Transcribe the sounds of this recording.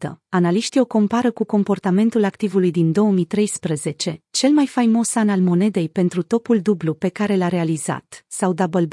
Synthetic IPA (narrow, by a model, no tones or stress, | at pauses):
t̪ə̰analiʃt̪io̞ko̞mpaɾəkuko̞mpo̞rt̪ame̞nt̪ulakt̪ivulujd̪ind̪o̞wəmit̪ɾe̞jspɾəze̞t͡ʃe̞t͡ʃe̞lmajfajmo̞sanalmo̞ne̞d̪e̞jpe̞nt̪ɾut̪o̞puld̪ublupe̞kaɾe̞laɾe̞aliza̰t̪sawd̪abəlb